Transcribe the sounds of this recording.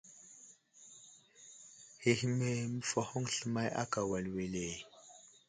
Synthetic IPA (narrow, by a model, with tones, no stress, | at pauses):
he˨hi˨me˨mi˦fɔ˨xɔ˦ŋ˨ɬə˦ma˦jʔa̰˦ka˨wa˨lwe˨le˨j